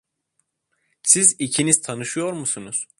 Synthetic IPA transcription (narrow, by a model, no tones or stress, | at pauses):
sizicʰiniz̥t̪ʰanɯʃɯjo̞ɾmusunuz̥